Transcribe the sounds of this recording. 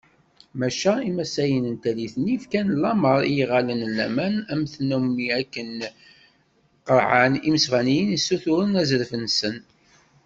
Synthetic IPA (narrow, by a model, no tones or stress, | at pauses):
mæʃæimæsæjənənt̪æliθnːifkænlːɑməɾˤijʁælənlːæmænæmθnumːiækːən | qəɾʕaniməsʁænijənisːuθʊɾənæzəɾfənsən